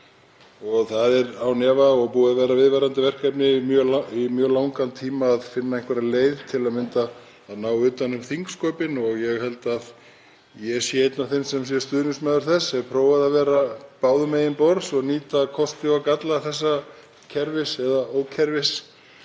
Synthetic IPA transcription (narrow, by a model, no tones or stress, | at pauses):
ɔɣθaðɛɾawnɛːvaɔɣpuːaðvɛːɾavɪðvaɾant̪ɪvɛr̥kajpnɪimjœːlaimjœːlaːwŋkant̪ʰiːmaːðfɪnːaẽhŋkvɛɾaleːjðt̪ʰɪlaðmɪnt̪aː | ðnaːwʏːt̪anʏmθiŋkskɔːpɪnɔɣjɛɣhɛl̪t̪að | jɛ̥sjɛejt̪naθɪnsɛms̬jɛ̥st̪ʏːðnʏsmɛːðʏɾ̥θɛsːɛpʰɾoːwaðavɛːɾapaːwðʏmejɪnpɔɾsɔɣniːt̪akʰɔst̪ɪakat̪laθɛsːa | cʰɛɾvɪsɛðaoːwcʰɛɾvɪs